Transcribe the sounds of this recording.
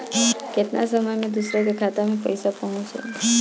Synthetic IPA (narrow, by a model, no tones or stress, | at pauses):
ket̪na̰səməjmẽd̪usɾəkekʰat̪amẽpə̰jsapaɦũt͡ʃʰṵ